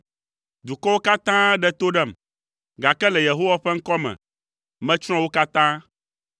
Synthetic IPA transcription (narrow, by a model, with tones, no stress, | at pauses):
d̪u˨kɔ˦wo˦ka˦t̪ã˦ɖɛ˦t̪o˦ɖɛ˦˨m | ɡa˨kɛ˦lɛ˨je˨ɦo˦wa˦ɸɛ˦ŋ̩˦kɔ˦mɛ̰̃˨ | mɛ̃˦t͡ʃɾ̃ɔ̃˦wo˦ka˦t̪ã˦